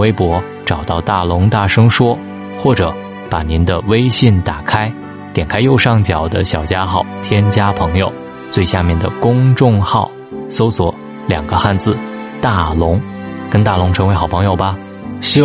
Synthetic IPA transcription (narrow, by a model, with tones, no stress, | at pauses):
we˥ɪpwɔ˧˥ | ʈ͡ʂɑ˨˩ʊt̪ɑ˥˧ʊt̪a˥˩lʊ˧˥ŋt̪a˥˩ʂɤ˥ŋʂwɔ˥ | xwɔ˥˩ʈ͡ʂɤ˨˧˥ | pa˨˩ni˧˥nd̪ə˧we˥ɪɕi˥˩nt̪a˨˩kʰa˥ɪ | t̪jɛ˨˩nkʰa˥ɪjo˥˧ʊʂɑ˥˩ŋt͡ɕjɑ˨˩ʊd̪ə̰˦ɕjɑ˨˩ʊt͡ɕja˥xɑ˥˩ʊt̪ʰjɛ˥nt͡ɕja˥pʰɤ˧˥ŋjo˧ʊ | t͡swe˥˧ɪɕja˥˧mjɛ˥˩nd̪ə̰˩kʊ˥ŋʈ͡ʂʊ˥˧ŋxɑ˥˩ʊ | so˥ʊswɔ˨˧˩ | ljɑ˨˩ŋɡ̥ə˦xa˥˧nt͡sɹ̩˥˩ | t̪a˥˩lʊ˧˥ŋ | kə˥nt̪a˥˩lʊ˧˥ŋʈ͡ʂʰɤ˧˥ŋwe˧˥ɪxɑ˨˩ʊpʰɤ˧˥ŋjo˨˩ʊbɐ˧ | ɕ